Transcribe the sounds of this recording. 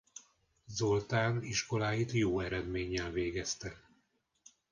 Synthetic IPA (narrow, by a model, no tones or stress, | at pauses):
zo̞lt̪aːniʃko̞laːjit̪joːɛɾɛd̪meːɲːɛlveːɡɛst̪ɛ